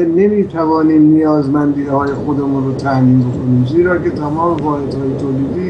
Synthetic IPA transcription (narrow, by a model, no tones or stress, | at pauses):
ne̞miːt̪ʰævɒːniːmnijɒːzmænd̪iːhɒːje̞xod̪emunrot̪ʰæhmiːnbokʰo̞niːmziːɾɒːket̪ʰæmɒːmevɒːhe̞d̪hɒːjet̪ʰoːliːd̪iː